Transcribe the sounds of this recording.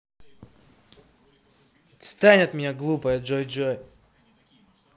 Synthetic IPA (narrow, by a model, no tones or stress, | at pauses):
st̪anʲɪt̪mʲɪnʲaɡlˠupəjəʐojʐoj